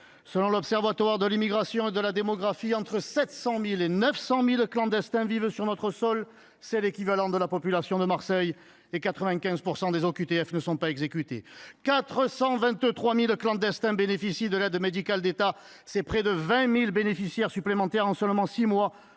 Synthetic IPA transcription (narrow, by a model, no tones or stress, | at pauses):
səlɔ̃lɔbsɛʁvwat̪waʁd̪əlimiɡʁasjɔ̃ed̪əlad̪emɔɡʁafiɑ̃t̪χəsɛt̪sɑ̃milenœfsɑ̃milklɑ̃d̪ɛst̪ɛ̃vivsyʁnɔt̪χəsɔl | sɛlekʲivalɑ̃d̪əlapɔpylasjɔ̃d̪əmaʁsɛj | ekat̪χəvɛ̃kʲɛ̃zpuʁsɑ̃d̪ezɔkyt̪eɛfnəsɔ̃paɛɡzekyt̪ḛkat̪χəsɑ̃vɛ̃t̪t̪χwamilklɑ̃d̪ɛst̪ɛ̃benefisid̪əlɛd̪med̪ikald̪et̪a | sɛpχɛd̪əvɛ̃milbenefisjɛʁsyplemɑ̃t̪ɛʁɑ̃sœlmɑ̃simwa